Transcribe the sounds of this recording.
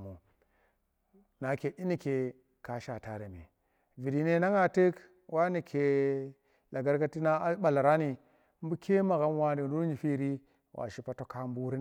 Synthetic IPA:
mu˨ | na˨ke˨ʔi˦ni˨ke˨ | ka˦ʃa˨ta˨ɾe˨mḭ˨ | vi˨di˨ne˦na˦ŋa˨tə˦k | wa˦ni˨kʰe˨ | la˨ɡa˦ɾka˦ti˦na˦ɓa˨la˨ɾa˦ni˨ | m˦bu˦kʰe˦ma˨ɣa˦mwa˦ni˨nu˦ɾɲi˨fi˦ɾi˦ | wʔa̰˨ʃi˦pa˦to˦ka˦m˦bu˦ɾi˦

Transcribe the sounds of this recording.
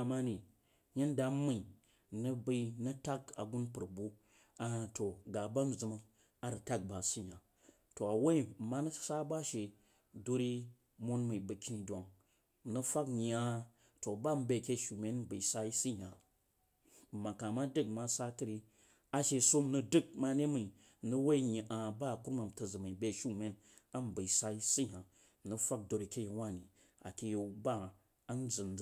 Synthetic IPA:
ma˦ni˨ | ɲe˦nda˨mə˨i˨ | nə˦bə˦i˦nə˦ta˦ka̰˨ɡu˦npɨ˨ɾbu˦ | a˦˨to˨ɡa˨ba˦m̩˨zɨ˨ma˦ | a˦ɾə˨ta˦k̚ba˨si˦ɲ˨a˨ | to˨a˨we˦˨ma˦nə˦sa˦ba˦ʃe˨ | do˦ɾi˦ | mo˦nmə˨bə˨ki˦ni˨dʷa˨ŋ˨ | nə˦fa˦kja˦ | to˨ba˦˨m̩˦be˨˦˨kʲe˦˨ʃu˨me˦n̩˦bə˨sa˦i˦si˦ɦʲa˨ | ma˨ka˨ma˦dɨ˦k̚ma˦sa˦tɨ˦ɾi˧ | a˨ʃe˨so˦m̩˦nu˧dɨ˦˨k̚ma˧ne˦mi˨i˨ | m̩˨nu˦we˦ɲi˨ʔa˨ba˦˨ku˦ɾma˨m̩˨tə˨zɨ˨ma˨be˧ʃu˦me˦n | a˦m˨bə˨i˨sa˦i˦si˦ɦʲa˨ | m̩˨nə˨fa˦k̚do˧ɾi˨kʲe˦i˨wʷa˦˨ni˨ | a̰˨kʲi˨jo˨˦ba˦ | a˦n̩˦d͡zɨ˨n˦

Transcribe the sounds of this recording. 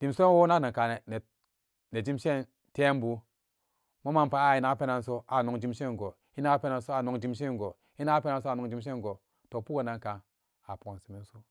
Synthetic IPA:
d̥i˨mso˦e˦wo˦na˦˨na˨ka˨ne˨ne˨ | ne˨d͡ʒi˦mʃe˦˨n | te˦m˦bu˨ | mo˦ma˦npa˨˦a˦˨i˨na˨˦pe˦na˨nso˦a˨no˨ŋd͡ʒi˦mʃe˦˨ŋɡo˨ | i˦na˦pe˦na˨nso˦a˨no˨ŋd͡ʒi˦mʃe˦˨ɡo˨ | i˦na˦pe˦na˦nso˦a˨no˨˦ŋd͡ʒi˦mʃ̬e˦˨ŋɡo˨ | to˨pu˦o˨na˨ŋka˨ŋ | a˨po˨si˨mi˦n˦so˦

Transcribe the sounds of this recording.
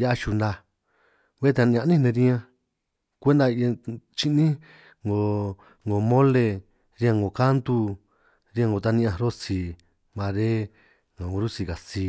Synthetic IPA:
ja˦ʔa˧ʃu˧nd̪a˧ | βe˦t̪e˧ɲã˧ʔnĩ˦nẽ˧ɾĩ˦ã˧ | kʷe˦nd̪a˧t͡ʃi˧ʔnĩ˦ | ŋɡo˨ | ŋɡo˨mõ˦le˧ | ɾi˧ã˧ŋɡo˨ka˦nt̪u˧ | ɾi˧ã˧ŋɡo˨˧t̪a˧nĩ˧ʔã˧ɾo˦si˧˨ | mã˧ɾe˦ | ŋã˨ũ˧ɾu˦si˧˨ka˨si˧

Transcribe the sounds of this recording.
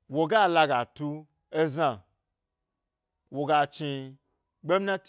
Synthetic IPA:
wo˨ɡa˦˨la˧ɡa˨tu˧ | e˦za˧˨ | wo˨ɡa˧t͡ʃi˧ | ɡ͡be˦m˦nã˦t

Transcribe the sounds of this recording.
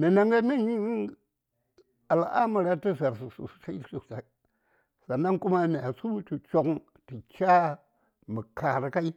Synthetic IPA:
me˨na˨ŋɡa˦me˦ɲi˦ | a˨la˨ʔa˦ma˨ɾa˦ti˦za˨ɾsu˨sṵ˨su̥˨ta˦i˦su˨a˨˦ | sa˨na˦ŋku˦ma˦me˨a˨su˦u˦tu˨t͡ʃo˨k | ti˨t͡ʃa˦ | mə˨ka˨ɾka˦i˦

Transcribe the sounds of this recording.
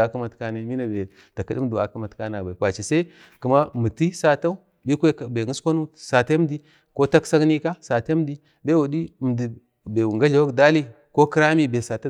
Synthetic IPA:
a˨ka˦ma˨tka˨ne˨mi˦na˨be˨ | ta˨ki˦di˦m˦du˨a˨ka˦ma˨tka˦n˨a˨ba˨kʷa˨t͡ʃi˨sa˦i˦ | ku˨ma˦mu˨ti˦sa˨ta˦u˦ | bi˦kʷe˦˨be˨ŋi˦skʷa˦nu˦sa˨te˦m˦di˦ | ko˦ta˦ksa˦ɡni˦ka˦sa˨te˦di˦ | be˦wu˨di˦˨m˨di˨ | be˨wu˨ŋɡa˦ɮa˨wa˦kda˦li˦ | ko˦ki˦ɾa˦mi˦be˨sa˨ta˦

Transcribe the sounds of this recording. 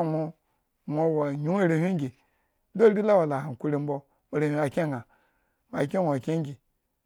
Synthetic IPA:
mʷo˦ | mʷo˨wa˨ɲu˦e˦ɾe˨hʲʷi˦ŋ˦ɡʲi˨˦ | do˦ɾi˦la˦wa˨la˨ha˨kʷu˦ɾi˦m̩˦bo˦ | mo˨ɾe˨hi˦a˨kʲe˦˨ɡa˨ | mʷ˨a˨kʲe˦ŋʷo˨a˨kʲe˦ŋ˦ɡʲi˨

